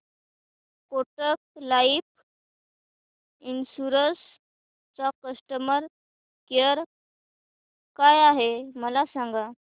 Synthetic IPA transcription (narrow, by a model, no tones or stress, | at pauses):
koʈək̚laip̚ | insuɾəs | t͡sakəsʈəməɾ | kəɾ | kajaɦeməlasãŋɡa